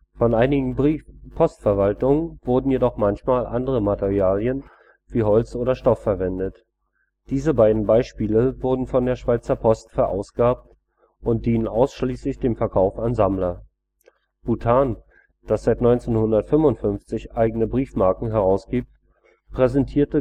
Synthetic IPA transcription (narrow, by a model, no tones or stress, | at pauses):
fɔnʔaɪnɪɡŋ̩ipʰɔstfɛɐvaltʊŋənv̥ʊɐdn̩jedɔχmançmaːlʔandəʁəmateʁiaːljən | v̥iːɦɔlt͡sʔoːɾɐʃtɔfːɛɐvɛndət | d̥iːzəbaɪdn̩baɪʃpiːləvʊɐdn̩fɔndeːɐʃv̥aɪt͡sɐpʰɔstfɛɐʔa̰ʊsɡ̥əaːp̚t | ʔʊnt̚d̥iːnənʔaʊsʃliːslɪçd̥eːmfɛɐkʰaʊfanzamlɐ | b̥utʰaːn | d̥asz̥aɪtnɔʏnt͡seːnhʊndɐtfʏmʊntfʏnft͡sɪçʔaɪɡənəbʁiːfmaɐkŋ̩ɦɛʁaʊsɡ̥iːp̚t | pʁ̥ɛzɛntʰiːɐtə